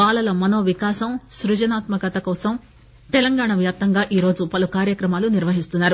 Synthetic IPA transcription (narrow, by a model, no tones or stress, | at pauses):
aːlɐlɐmɐno̞ːʋikaːsɐmsɾud͡ʒɐnaːt̪mɐkɐt̪ɐkɔːsɐm | t̪ɛlɐŋɡaːɳɐʋjaːp̚t̪ɐŋɡaːʔiːɾo̞ːd͡ʒupɐlukaːɾjɐkɾɐmaːluniɾʋɐɦist̪unːaːɾu